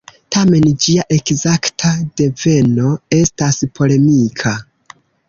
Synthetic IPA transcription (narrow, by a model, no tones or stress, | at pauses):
tame̞nd͡ʒiaʔe̞kzaktʰade̞ve̞no̞e̞staspʰo̞le̞mikʰa